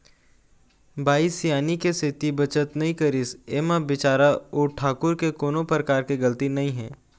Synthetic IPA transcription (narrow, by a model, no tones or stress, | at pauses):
bʱaːisijaːnikesɪt̪ibɐt͡ʃət̪nɐɦĩkɐɾɪseːmabɪt͡ʃaːɾaoːʈʰaːkʊɾkekoːnõpɾəkaːɾkeɡɐlət̪inɐɦĩɦɛ̃ː